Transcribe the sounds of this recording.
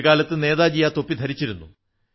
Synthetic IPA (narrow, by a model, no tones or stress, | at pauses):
kaːlɐt̪ːɨne̞ːðaːd͡ʑijːaːt̪o̞pːid̪ʱɐɾit͡ɕːiɾunːṵ